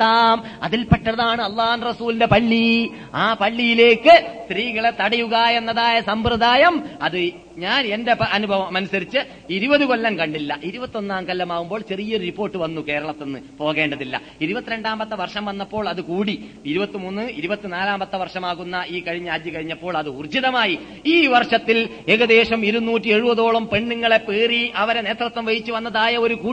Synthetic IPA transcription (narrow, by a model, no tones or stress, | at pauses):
aːmɐ̰ðilpɐʈːɐðaːɳɨɐlˠˤːɑːhɐnrɐsuːlinde̞pɐɭːi | aːpɐɭːijile̞ːkːɨst̪ɾiːɣɐɭet̪ɐɽɐjuɣaːjenːɐðaːjɐsɐmprɨd̪aːjɐmɐðɨ | ɲaːne̞nde̞ɐɐnubʱɐʋɐmɐnusɐɾit͡ɕːɨ | iɾubɐðɨko̞lːɐmkɐɳɖilːɐʔiɾubɐt̪ːo̞nːaːmkɐlːɐmaːɣumbo̞ːɭt͡ɕe̞rijɐoripːo̞ːrʈːɨʋɐnːuke̞ːɾɐɭɐt̪ːe̞nːɨpo̞ːɣe̞ːɳɖɐðilːɐ̰ | iɾubɐt̪ːiɾe̞ɳɖaːmbɐt̪ːɐʋɐrʂɐmʋɐnːɐpːo̞ːɭɐðɨkuːɽi | iɾubɐt̪ːimunːɨiɾubɐt̪ːinaːlaːmbɐt̪ːɐʋɐrʂɐmaːɣunːɐʔiːkɐɻiɲːaːd̪jɨkɐɻiɲːɐpːo̞ːɭɐðɨurd͡ʑiðɐmaːji | iːʋɐrʂɐt̪ːil | e̞ɣɐðe̞ːʂɐmiɾunuːtːie̞ɻubɐðo̞ːɭɐmpe̞ɳːuŋːɐɭe̞peːriɐʋɐɾene̞ːt̪rɐt̪ːɐmʋɐjit͡ɕːuʋɐnːɐðaːjɐo̞ɾukuː